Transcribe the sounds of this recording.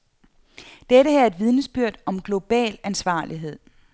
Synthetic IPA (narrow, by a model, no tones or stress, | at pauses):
d̥eɾəɦeɐe̝d̥ʋið̞ˠnəsb̥yɐ̰d̥ɒ̽mɡ̥lo̝b̥ɛ̰ːlænsʋɑ̰̈ːliɦe̝ð̰ˠ